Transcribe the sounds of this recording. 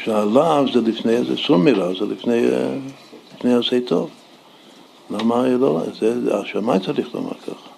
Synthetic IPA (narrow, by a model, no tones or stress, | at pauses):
ʃalavzɛlifnejazɛ̰sumiɾavzɛlḭfnej | lifnejaseɪtʰov | lamaɛlozɛaʃamajt͡saɾiχlo̰ma̰ɾkʰa̰χḁ